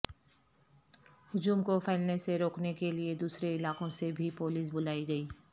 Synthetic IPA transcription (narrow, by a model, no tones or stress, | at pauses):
hʊd͡ʒuːmkopʰɛːlneseɾoːknekelied̪uːsɾeɪlaːkõsebʱipoːliːs̬bʊlaːiɡɐiː